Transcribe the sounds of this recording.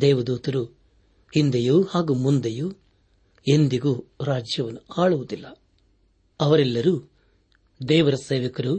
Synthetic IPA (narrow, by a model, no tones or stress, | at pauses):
d̪ɛːʋɐd̪uːt̪ɐɾu | hind̪ejuhaːɡuːmund̪eju | e̞nd̪iɡuːɾaːd͡ʒjɐʋɐnːuaːɭuʋud̪ilːɐ | ɐʋɐɾɛlːɐɾu | d̪ɛːʋɐɾɐseːʋɐkɐɾu